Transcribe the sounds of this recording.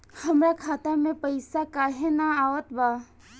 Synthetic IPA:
həmɾakʰaːt̪amẽpəɪsakaːɦenaaːʋət̪ba

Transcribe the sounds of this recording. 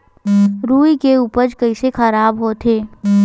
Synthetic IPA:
ɾuːikeuːpəɾd͡ʒkəisexəɾaːbɦoːt̪ʰɦeː

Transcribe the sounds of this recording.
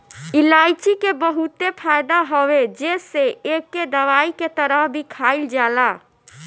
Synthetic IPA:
ilajt͡ʃikebəɦut̪epʰajd̪aɦowed͡ʒeseekːed̪əʋaiket̪əɾəɦbʱikʰaild͡ʒala

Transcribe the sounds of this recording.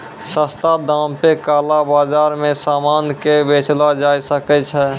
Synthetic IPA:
səst̪ad̪ãmpekaːlabaːd͡ʒaːɾmẽsaːmaːnkebeːt͡ʃlad͡ʒaːjsəkɛt͡ʃʰɛ

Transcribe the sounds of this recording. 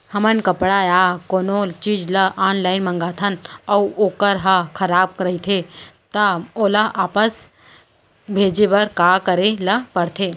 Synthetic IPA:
hɐmənkəpɽajaːkoːnoːt͡ʃiːd͡ʒlɐʔaːnlaːɪnmə̃ŋɡaːt̪ʰənɐuoːkəɾɦɐkʰɐɾaːb̚kɾəit̪ʰet̪əoːlɐʔaːpəs | bʱeːd͡ʒebɐɾkaːkəɾelɐpəɽt̪ʰeː

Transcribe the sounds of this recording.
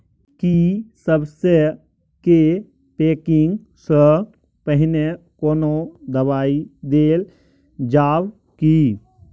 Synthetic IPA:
kisəbse | ke | peːkɪŋɡ | sə | pəɦɪne | koːnod̪əbaːid̪eːl | d͡ʒaːw | ki

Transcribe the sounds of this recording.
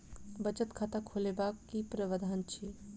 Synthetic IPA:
bət͡ʃət̪kʰat̪akʰolebakːipɾəʋəd̪ʱaːnt͡ʃʰi

